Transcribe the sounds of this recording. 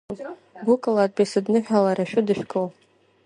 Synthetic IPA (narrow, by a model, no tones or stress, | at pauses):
bukʼɨlat̚bʲesɨdnɨħᶣalaɾaʃᶣʊdɨʃᶣkʼow